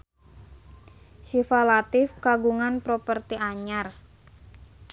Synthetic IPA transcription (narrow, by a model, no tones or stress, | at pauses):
sifalat̪ɪfkaɡuŋanpɾopərt̪iʔaɲar